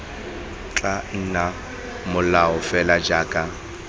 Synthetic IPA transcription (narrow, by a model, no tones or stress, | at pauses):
t͡ɬʼan̩na | mʊlaʊfɛlad͡ʒaːkʼa